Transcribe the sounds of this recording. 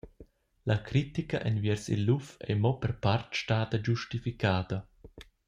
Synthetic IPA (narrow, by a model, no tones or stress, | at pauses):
lakɾit̪ikaʔɛnvjɛɾsḭlːufɛ̰mɔpɛɾpartʃtaːd̪ɐd͡ʒuʃtifikʰaːd̪ɐ